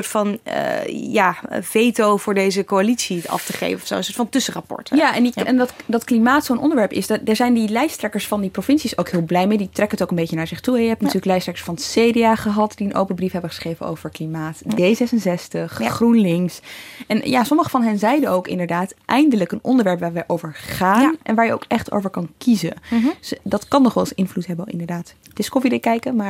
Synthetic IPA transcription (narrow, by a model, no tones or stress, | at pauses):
ɹtfɑn̰ | jaːv̥ejtowvʊːɹdejzəkoalitsiɑ̰ftəχḛjvənɔfso̰ənsʊːɹtfɑ̃ntɵsərapɔ̰ɹtjaʔɛniɛndtdɑtklimaːtsownʔɔ̰ndəɹʋɛɹpɪ̰sdɛɹzɛjndilɛjstrɛkəɹsfɑndiprofɪntsisowkɦɪːlˠblɛjmejditrɛkənətowkənbejcənaːɹz̥ɪχtuɛjəɦɛp̚tnayːləklɛjstrɛkə̥ɹsfɑnseːdeaːχəɦɑtd̥iənʔo̰wpənbrifɦɛbəχə̥sχrejvəno̰wv̥əɹklimaːtdejzɛsənsɛstəχχrunlɪŋsɛnjaːsɔməχəvɑnɦɛnzɛjdəowkɪ̰ndəɹdaːtʔɛjndələkənɔndəɹʋɛɹpʋaːɹʋɛjʔowvəɹχaːnʔɛ̰nʋaːɹjəo̰wkɛχto̰wvəɹkɑnkizəndɑtkɑnːɔχʋɛlˠsʔɪnvlutɦɛbəɪ̰ndəɹdaːt | d̥ɪskɔfidəkɛjkəmaːɹ